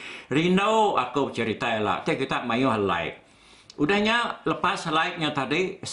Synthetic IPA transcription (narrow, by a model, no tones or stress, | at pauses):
rinowa̰kobət͡ʃəɾit̪aila̰ʔt̪ekit̪aʔmajoɦəla̰ɪ̰ʔ̚ | udahɲaləpaslaɪk̚ɲat̪adis